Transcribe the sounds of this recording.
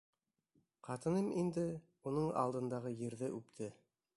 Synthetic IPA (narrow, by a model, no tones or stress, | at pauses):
qɑt̪ɤ̆nɤmind̪ɘ | unɤɴɑ̰lˠd̪ɤ̆nd̪ɑʁɤjɘ̆ɾðɘʔʉpt̪ʰɘ